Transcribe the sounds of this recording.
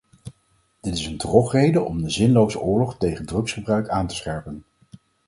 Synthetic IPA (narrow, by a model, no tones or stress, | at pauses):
d̥ɪtɪsəndrɔχrejdəʔɔmdəzɪnlowzəʔʊːɹlɔχtejχəndrɵksχəbrœɥkaːntə̥sχɛɹpən